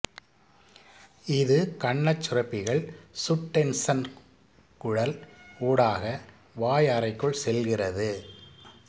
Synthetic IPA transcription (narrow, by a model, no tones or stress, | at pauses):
ɪðɯkɐɳːɐt͡ʃːʊrɐpːɪɣɐɭsʊʈːɛnsɐn | kʊɽɐlkuːɽaːɣɐ | ʋaːjaɾɐɪkːɯɭsɛlɣɪrɐðɯ